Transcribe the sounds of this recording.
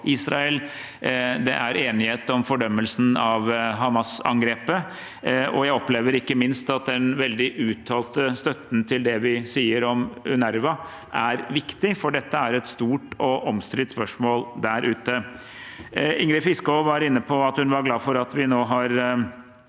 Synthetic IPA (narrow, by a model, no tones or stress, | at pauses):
ʔɪsɾɑɛl | d̪ɛ̰ʔæɾeːnɪheːt̪ɔmfɔɖœmːəlsn̩ɑʋɦɑmɑsɑ̰ŋɡɾeːpə | ɔ̰jæɪɔpleːʋəɾɪkːəmɪnst̪ɑt̪̚d̪ɛnʋɛld̪ɪʔʉːt̪ʰɑːlt̪əst̪œt̪n̩t̪ʰɪld̪ɛʋɪsiːəɾɔmʉnæɾʋɑ | ʔæɾʋɪkt̪ɪfɔɖɛt̪ːəæɾɛt̪st̪uːʈɔʔɔmst̪ɾɪt̪spœʂmoːld̪æɾʔʉːt̪ə | ɪŋɾɪfɪskɔʋɑɾɪnːəpʰɔɑt̪hʉnʋɑɾɡlɑːfɔɾɑt̪ʋɪnoːɦɑɾ